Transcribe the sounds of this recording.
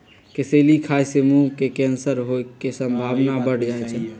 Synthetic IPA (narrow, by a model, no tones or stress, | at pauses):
keselikʰajsemukekɛnsəɾɦoesəmbʱaʋnabəɽ̤d͡ʒajt͡ʃʰɛ